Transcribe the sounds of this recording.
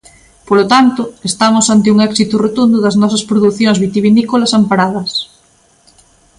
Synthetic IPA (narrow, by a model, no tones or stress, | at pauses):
polot̪ant̪ʊest̪amʊsant̪ɪuŋɛksit̪ʊrot̪und̪ʊðɐznɔsɐspɾoðuθjoŋzβit̪iβinikolɐsampaɾaðɐs